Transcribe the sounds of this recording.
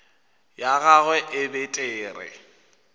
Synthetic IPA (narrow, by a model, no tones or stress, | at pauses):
jaɣaɣwɛʔɪbɪtʼeːrɪ̰